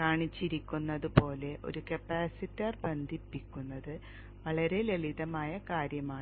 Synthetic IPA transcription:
kaːɳit͡ɕːiɾikʲːunːɐðɨpo̞ːle̞ʔo̰ɾukɐpːaːsitːɐrbɐnd̪ʱipːikʲːunːɐðɨ | ʋɐɭɐɾe̞leɭiðɐmaːjɐkaːɾjɐmaːɳ

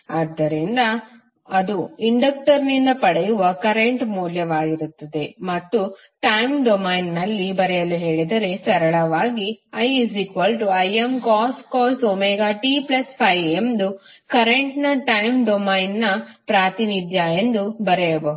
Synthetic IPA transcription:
ɐːd̪ːɐɾind̪ɐː | d̪uiɳɖɐk̚ʈɐɾnind̪ɐpɐɽɛjuʋɐkɐɾeɳʈmuːljɐʋaːɡiɾut̪ːɐd̪e̞mɐt̪ːu | ʈɐjmɖomɐjnːɐlːibɐɾɛjɐluɦe̞ːɭid̪ɐɾe̞sɐɾɐɭɐʋaːɡiɐjisikʋɐlʈuɐjemkaːskoːsoːmeːɡaːʈiplɐspʰɐjemd̪u | kɐɾeɳʈnɐʈɐjmɖomɐjnnɐpɾaːt̪inid̪ʱjaːjend̪ubɐɾɛjɐbɐ

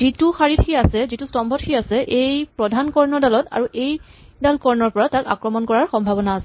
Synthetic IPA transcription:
zituxaɹitʰxiasɛzitustɔmbʱɔtʰiasɛʔejpɹɔdʱankɔɹnɔdalɔta̰ɹuʔej | dalkɔɹnɔɹpɔɹataka̰kɹɔmɔnkɔɹaɹxɔmbʱabɔnaːsɛ

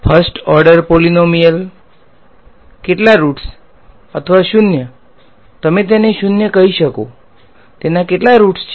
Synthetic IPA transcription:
pʰəɾsʈɔɾɖəɾpolinomijəl | keʈlaɾuʈs | ət̪ʰəʋaʃʊnjə | t̪əmet̪̬jeneʃʊnjəkəɦiʃəko | t̪enakeʈlaɾuʈst͡ʃʰ

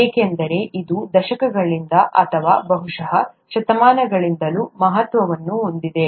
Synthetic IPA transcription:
eːkend̪ɐɾe̞ʔid̪ud̪ɐʃɐkɐɡɐɭind̪ɐʔɐ̰t̪ʰɐʋaːbɐɦuʂɐɦɐʃɐt̪ɐmaːnɐɡɐɭind̪ɐluːmɐɦɐt̪ʋɐʋɐnːuond̪id̪e̞

